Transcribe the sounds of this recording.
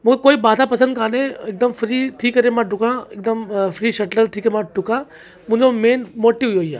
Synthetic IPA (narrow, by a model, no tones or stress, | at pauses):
mũːkʰekoːibaːt̪apɐsə̃nd̪kʰaːnẽek̚d̪əmfɾit̪ʰiːkəɾemãɖʱʊkãek̚d̪əmfɾiːʃɐʈləlt̪ʰiːkəɾemãɖʱʊkã | mʊ̃ɦɪ̃ɲd͡ʑomeːnmoːʈːiʋɦʊjoia̰ː